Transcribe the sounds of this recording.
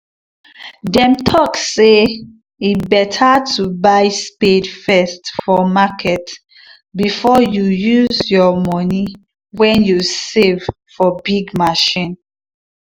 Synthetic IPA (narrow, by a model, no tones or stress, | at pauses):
dɛ̃mtʰɔkse | ibɛtʰatʰubaɪspedfɛstfɔmakʰɛt | bifɔjujuzjɔmɔni | wɛ̃njusev̥ | fɔbiɡmaʃĩn